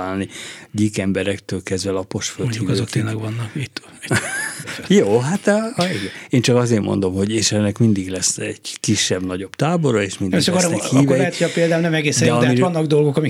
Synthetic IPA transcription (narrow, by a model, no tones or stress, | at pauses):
aːlniɟikɛmbɛɾɛkt̪øːlkɛzʋɛlɒpo̞ʃfølmt̪oikɔzoktt̪eːnlɛɡʋɒnːɒkit̪ː | ɛ | joːɦat̪ːiɡɛeːnt͡ʃɒkɒzeːrmo̞̰nd̪o̞mho̞ɟeːʃɛnːɛkmind̪iɡlɛsɛɟ̥kiʃːɛbnɒɟo̞b̥t̪aːbo̞ɾɒeːʃmindʃkoɾhːvɛlɛɦɛtt̪ːɛɒpeːld̪aːmnɛmɛɡeːsdɛɛɒd̪mivɒnːɒɡd̪o̞lɡo̞kɒmi